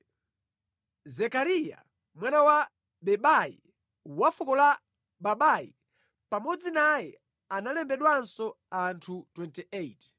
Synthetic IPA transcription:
zɛkaɾija̰ | mwanawa | ɓɛɓajḭ | wafukɔla | ɓaɓajḭ | pamɔd͡zinajɛ | analɛmbɛɗwansɔ | antʰutwɛntiʔejt

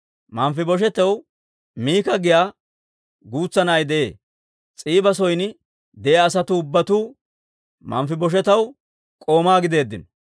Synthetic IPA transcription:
mɐmfɪbɔʃ̬ɛt̪ɛw | miːkɐɡɪjaː | ɡuːt͡sːɐnɐjd̪ɛḛː | t͡sʼiːbɐs̬ɔjn | d̪ɛʔɐːs̬ɐt̪ʊʊbːɐt̪uː | mɐ̰mfɪbɔʃ̬ɛt̪ɐw | kʼo̞ːmaːɡɪd̪e̞ːd̪ːɪn

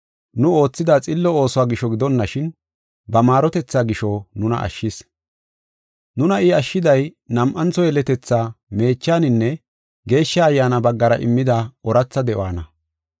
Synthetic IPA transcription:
nʊo̞ːt͡sːɪd̪at͡sʼɪlːɔo̞ːsɔwaːɡɪʃɔɡɪd̪ɔnːɐʃɪn | bɐmaːɾɔt̪ɛt͡sːaːɡɪʃɔnʊnɐ̰ʔɐ̰ʃːɪs | nʊnɐɪɐʃːɪd̪ɐj | nɐmʔɐnt͡sːɔjɛlɛt̪ɛt͡sːaːme̞ːt͡ʃːaːnɪnːɛ | ɡe̞ːʃːɐːjːaːnɐbɐɡːɐɾɐʔɪ̰mːɪd̪aɔɾɐt͡sːɐd̪ɛʔw̰aːnɐ

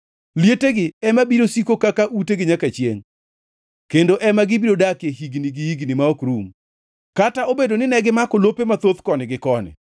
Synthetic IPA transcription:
ljeteɡɪɛmabiɾosikokakaʔuteɡɪɲakat͡ʃjḛŋ | kendoʔɛmaɡɪbiɾodakjeɦiɡniɡɪhiɡnɪmaɔkɾum | kataobedonɪnɛɡɪmakolopemat̪ot̪kɔnɪɡɪkɔnɪ̰

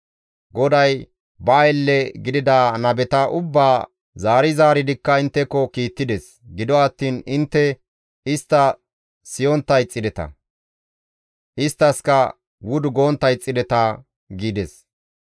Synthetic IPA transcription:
ɡɔd̪ɐj | bɐːjlːɛɡɪd̪ɪd̪aːnɐbɛt̪ɐʔʊbːaː | zaːɾɪzaːɾɪd̪ɪkːɐɪnt̪ːɛkːɔkiːt̪ːɪd̪ɛs | ɡɪd̪ɔɐt̪ːiːnɪnt̪ːɛ | ɪst̪ːɐ | sɪjɔnt̪ːɐjt͡sʼːɪd̪ɛt̪ɐ̰ | ʔɪst̪ːɐskɐ | wʊd̪ʊɡoːnt̪ːɐjt͡sʼːɪd̪ɛt̪ɐ | ɡiːd̪ɛs

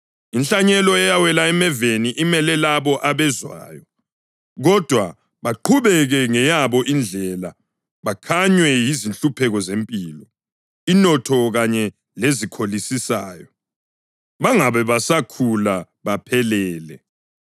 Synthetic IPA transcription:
inɬaɲɛlɔɛjawɛlaɛmɛveniʔimɛlɛlaβɔʔaβɛzwa̰ːjɔ | ɣɔd̥ʱwa | βaǃʰuβɛɣɛŋɛjaβɔʔind͡ɮʱɛla | βakʰaɲwɛjizinɬʼupʰɛɣɔzempʼiːlɔ | inɔtʰɔɣaɲɛ | lezikʰolisisaːjɔ | βaŋaβɛβasakʰula | βapʰɛlɛːlɛ

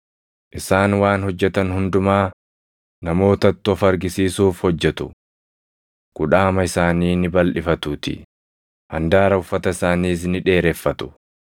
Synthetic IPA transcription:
ʔɪsaːnwaːnhɔd͡ʒːɛt̪ɐnhʊnd̪ʊmaː | nɐmo̞ːt̪ɐt̪ːʊɔfɐɾɡɪsiːsuːfhɔd͡ʒːɛt̪ʊ̰ | kʊᶑaːmɐɪsaːniːnɪbɐlʔɪfɐt̪uːt̪ɪ̰ | hɐnd̪aːɾɐʊfːɐt̪ɐɪsaːniːs̬nɪᶑe̞ːɾɛfːɐt̪ʊ̥

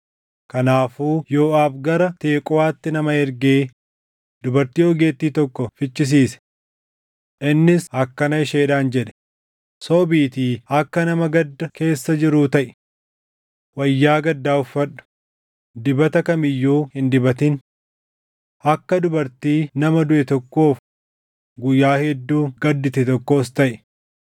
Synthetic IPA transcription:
kɐnaːfuːjoːʔaːfɡɐɾɐt̪e̞ːkʼɔwaːt̪ːɪnɐmɐɛɾɡeː | d̪ʊbɐɾt̪iːɔɡe̞ːt̪ːiːt̪ɔkːɔfɪt͡ʃːɪs̬iːsɛ̥ | ʔɪnːɪshɐkːɐnɐɪʃeːᶑaːnd͡ʒɛᶑɛ̥ | soːbiːt̪iːɐkːɐnɐmɐɡɐd̪ːɐke̞ːsːɐd͡ʒɪɾuːt̪ɐʔɪ̥ | wɐjːaːɡɐd̪ːaːʊfːɐᶑʊ̥ | d̪ɪbɐt̪ɐkɐmɪjːuːhɪnd̪ɪbɐt̪ɪn | ɐkːɐd̪ʊbɐɾt̪iːnɐmɐd̪ʊʔɛt̪ɔkːo̞ːf | ɡʊjːaːhɛd̪ːuːɡ̥ɐd̪ːɪt̪ɛt̪ɔkːo̞ːst̪ɐʔ

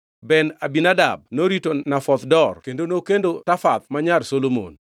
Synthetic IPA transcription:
bɛnabinada̰b̚noɾitonafɔt̪dɔrkendonokendotafat̪maɲarsolomo̰n

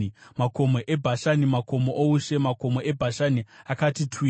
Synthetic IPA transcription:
mako̞mo̞ʔebʱaʃanimako̞moʔouʃe̞mako̞mo̞e̞bʱaʃaniakatitʰwi

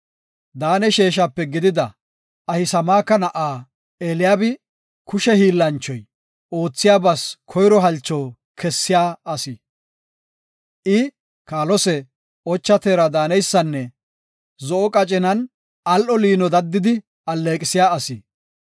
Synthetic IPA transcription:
d̪aːnɛʃeːʃ̬apːɛɡɪd̪ɪd̪ɐ | ɐhɪsɐmaːkːɐnɐʔaː | eːlɪjaːbɪ | kʊʃɛhiːlːɐnt͡ʃːɔj | oːt͡sːɪjaːbɐskʰɔjɾɔɦɐlt͡ʃːɔː | kʰɛsːɪjaːɐsi | ʔɪ | kaːlɔsɛ | ɔt͡ʃːɐt̪e̞ːɾɐd̪aːnɛjsːɐnːɛ | zɔʔɔkʼɐt͡ʃʼɪnɐn | ɐlʔɔliːnɔd̪ɐd̪ːɪd̪ɪ | ɐlːe̞ːkʼɪsɪjaːɐsɪ

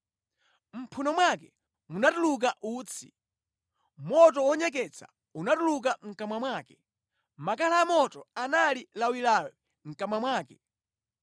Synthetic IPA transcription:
m̩pʰunɔmwakɛ | munatuluk̬aʔuːt͡sʰḭ | mɔt̬ɔwɔɲɛk̬ɛt͡sʰḁ̰ | unatuluk̬aŋ̩kamwamwaːkɛ | makalaːmɔtɔanalilawilawɛ | ŋ̩kamwamwaːkɛ

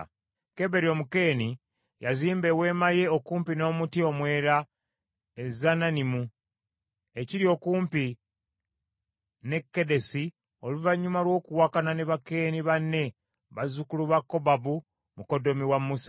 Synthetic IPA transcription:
ke̞βe̞ɾio̞ːmuke̞ːni | jaziːmbe̞we̞ːmaje̞okuːmpino̞ːmutio̞mwe̞ːɾa | ezananimu | e̞ciɾio̞kuːmpi | ne̞kːe̞de̞si | o̞luvaɲːumalwo̞ːkuwakanane̞βake̞ːniβanːe̞ | βazukuluβakːo̞babu | muko̞do̞miwamːusa

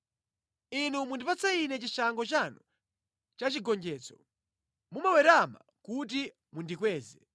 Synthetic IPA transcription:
inumundipat͡sainɛt͡ʃiʃaŋɡɔt͡ʃanu | t͡ʃat͡ʃiɡɔnd͡ʒɛːt͡sʰɔ̥ | mumawɛɾama̰ | kuti | mundikwɛːzɛ

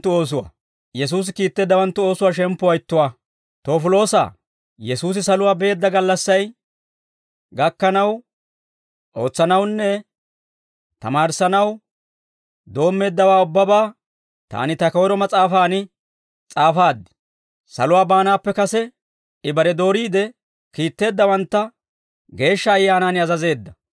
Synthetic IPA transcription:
t̪ːʊo̞ːs̬ʊwa̰ | jɛs̬uːs̬ɪkiːt̪ːeːd̪ːɐwɐnt̪ːʊo̞ːsʊwaːʃ̬ɛmpːʊwɐjɪt̪ːʊwaː | t̪o̞ːfɪlo̞ːsa̰ː | jɛsuːs̬ɪsɐlʊwaːbe̞ːd̪ːɐɡɐlːɐsːɐj | ɡɐkːɐnɐw | ʔo̞ːt͡sːɐnɐwnːɛ | t̪ɐmaːɾsɐnɐw | d̪o̞ːmːe̞ːd̪ːɐwaːʊbːɐbaː | t̪a̰ːnɪt̪ɐkɐwɔɾɔmɐt͡sʼaːfaːnɪ | t͡sʼaːfaːd̪ːɛ̥ | sɐ̰lʊwaːbaːnaːpːɛkɐsɛ | ɪbɐɾɛd̪o̞ːɾiːd̪ɛ | kiːt̪ːe̞ːd̪ːɐwɐnt̪ːɐ | ɡe̞ːʃːɐːjːaːnaːnɪɐzɐze̞ːd̪ːɐ

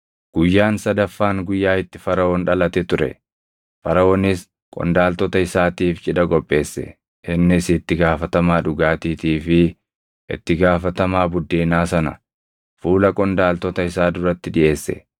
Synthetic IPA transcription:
ɡ̥ʊjːaːnsɐd̪ɐfːaːŋɡʊjːaːɪt̪ːɪfɐɾɐoːnᶑɐlɐt̪ɛt̪ʊɾɛ̰ | fɐɾɐoːnɪs | kʼɔ̰nd̪aːlt̪ɔt̪ɐɪsaːt̪iːft͡ʃʼɪᶑɐɡʼɔpʼːe̞ːsːɛ̰ | ʔɪnːɪsɪt̪ːɪɡaːfɐt̪ɐmaːᶑʊɡaːt̪iːt̪iːfɪ | ʔɪ̰t̪ːɪɡaːfɐt̪ɐmaːbʊd̪ːeːnaːsɐnɐ̰ | fuːlɐkʼɔnd̪aːlt̪ɔt̪ɐɪsaːd̪ʊɾɐt̪ːɪᶑɪʔe̞ːsːɛ̰

